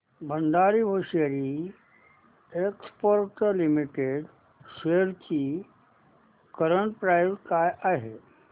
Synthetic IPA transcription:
bʱəɳɖ̪aɾiːbʱoɕeɾi | ekspoɾʈəlimiʈeɖ | ʃeɾt͡ɕi | kəɾəɳʈ̚pɾajɾkajaɦe

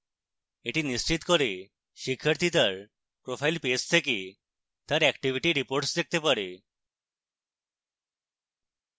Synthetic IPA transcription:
eʈinist͡ɕit̪kəɾe | ɕikʰəɾt̪it̪əɾ | pɾofailpest̪ʰeki | t̪əɾɛkʈiʋiʈiɾipoɾʈsd̪ek̚t̪epəɽe

